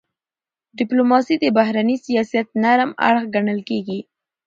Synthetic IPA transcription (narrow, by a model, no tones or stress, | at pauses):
ɖɪplomɑsid̪əbahɾanisijɑsijat̪̚naɾma̰ɽxɡaɳəlkeɡi